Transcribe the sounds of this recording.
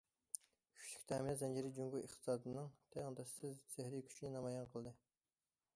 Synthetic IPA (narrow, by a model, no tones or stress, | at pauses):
kʲʰy̥ʃlʰy̥kʲt̪ʰɛmɪnɛzɛnd͡ʒiɾɪd͡ʒuŋɡʲuəχt̪ʰɨ̥sɑːd̪ɨnɨŋt̪ʰɛɑnd̪ɛsːɪzsehɾɪkʲʰy̥t͡ʃʰinɪnɑmɑjɑnqʰəlˠd̪ɨ